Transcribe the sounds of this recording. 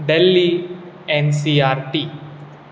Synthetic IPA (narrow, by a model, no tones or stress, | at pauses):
ɖelːi | ensiaːɾʈi